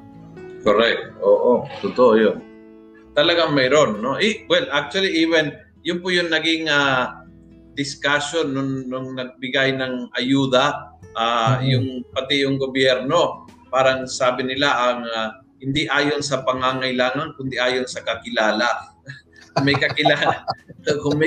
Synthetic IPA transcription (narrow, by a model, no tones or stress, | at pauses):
koɾɛk̚t̪ʔoːʔot̪ʊt̪oʔojon | t̪ɐlɐɡaŋmɛjɾonːo̞ʔɛwɛlʔak̚t͡ʃ̪uɐliʔiːvɛn | jʊnpʊjʊŋnɐɡɪŋa | d̪ɪskasonːʊnːʊŋnɐɡ̚bɪɡajnɐŋʔɐjuːd̪ɐʔaːjʊŋpɐt̪ɪjʊŋɡobjɛɾno̞paːɾɐŋsaːbɪnɪlaʔɐŋa | hɪnd̪iʔaːjonsɐpɐŋaːŋɐjlaːŋɐŋkʊnd̪iʔaːjonsɐkɐkɪlaːla | kmɛjkɐkɪla | kʊŋmɛ